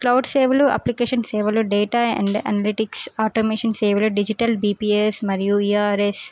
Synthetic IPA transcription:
klɐwɖseːʋɐluɐ̰plikeːʃɐnseːʋɐluɖeːʈaːɐ̰̃ɳɖɐ̰nɐliʈiksaːʈomeːʃɐnseːʋɐluɖid͡ʒiʈɐlbiːpiːesmɐɾijuiːaːɾes

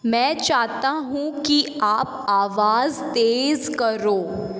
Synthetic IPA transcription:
mɛ̃ːt͡ʃaːɦt̪aɦũki | aːp | aːʋaːzt̪eːzkəɾoː

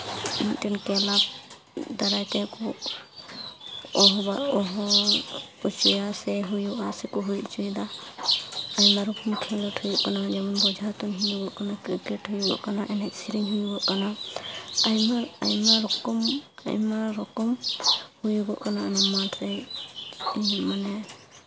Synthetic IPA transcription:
it̪inkɛlab̚ | d̪aɾajt̪ɛkɔ | ɔɦɔbaɔɦɔ | put͡ʃujasɛɦujuʔasɛkɔɦujʔt͡ʃujd̪a | ajmaɾɔkɔmkʰɛlɔʈʰujɔʔkanad͡ʒɛmɔnbɔd͡ʒʱat̪ɔnɦind̪uɡɔʔkanakɾikɛʈɦujuɡɔ̰ʔkanaʔɛnɛksiɾiŋɦujuɡɔʔkana | ajmaɾa̰jmaɔkɔma̰jmaɾɔkɔmhujuɡɔʔkanaanɛmatʰɾɛ | manɛ

